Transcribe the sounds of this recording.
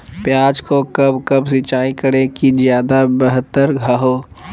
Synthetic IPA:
pjaːd͡ʒkokɐbkɐbsɪt͡ʃaːĩkəɽẽkizjaːd̪abəɦət̪ːəɾɡʱaɦoː

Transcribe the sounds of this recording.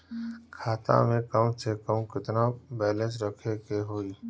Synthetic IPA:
kʰaːt̪ã̰mẽkəmsekəmkɪt̪nabɛːlẽs̬ɾɐkʰekeɦoːiː

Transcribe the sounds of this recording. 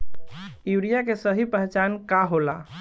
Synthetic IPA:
juɾijakesəɦipəɦt͡ʃankaɦola̰

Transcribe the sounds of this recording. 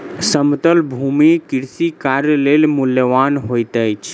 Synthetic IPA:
səmt̪əlbʱumikiɾsikaɾjəlelmuljəʋanɦojt̪əjt͡ʃʰ

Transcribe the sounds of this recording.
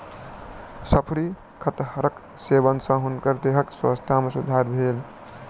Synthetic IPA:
səpʰɾi | kʰət̪ɦəɾək | sebənsə̃ɦunkəɾd̪eɦəkswə̰st̪ʰamesud̪ʱaɾbʱel

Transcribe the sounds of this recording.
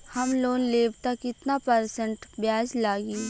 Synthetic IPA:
hɐmloːnleːbt̪akɪt̪napɐɾsə̃ɳʈbjaːd͡ʒlaːɡiː

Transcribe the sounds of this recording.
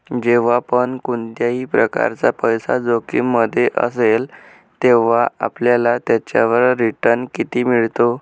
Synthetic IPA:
d͡ʑeʋ̤apəɳkuɳt̪jaɦiːpɾəka̰ɾt͡sapəjsad͡zokiːmːəd̪ʱːjeʔə̰sel | t̪eʋ̤aapljalat̪jat͡ɕja̰ʋəɾːiʈəɾɳkit̪iːmiɭt̪o

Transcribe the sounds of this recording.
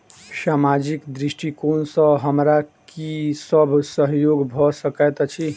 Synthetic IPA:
samad͡ʒikd̪ɾiʃʈikonsə̃ɦəmɾakisəbʱsəɦjoɡbʱɔsəkɛt̪t͡ʃʰi

